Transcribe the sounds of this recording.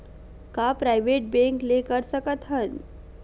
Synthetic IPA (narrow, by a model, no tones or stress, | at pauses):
kapɾajʋeʈ̚bẽŋklekəɾsəkət̪ʰən